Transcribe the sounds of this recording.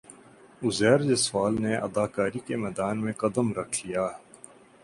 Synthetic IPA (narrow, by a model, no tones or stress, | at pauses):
ʊzɛːɾd͡ʒəswaːlneɐ̰d̪aːkaːɾikemɛːd̪aːnmẽkɐd̪əmɾɐkʰlijaː